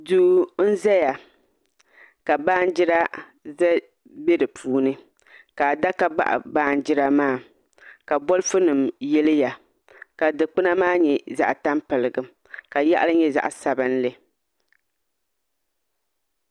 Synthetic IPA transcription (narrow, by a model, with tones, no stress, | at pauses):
duː˨˦n̩˦zɛ˦ja˨ | ka˨baː˦n˦d͡ʒɪ˦ɾa˦ | zɛ˦ | be˦dɨ˨pʰuː˦nɨ˦ | ka˨da˦ka˦ɡ͡ba̰˦ʔa̰˨baː˦n˦d͡ʒɪ˦ɾa˦maː˦˨ | ka˨bɔ˦lfʊ˦nɨ˨mjɛ˦lɨ˦ja˨ | ka˨dɨ˨k͡pɨ˦na˦maː˦ɲɛ˨za̰˨ʔta˦mpɨ˨lɨ˨ɡɨ˨m | ka˨ja˦ʔa̰˦lɨ˦ɲɛ˦za̰˨ʔsa˨bɨ˦n˦lɨ˨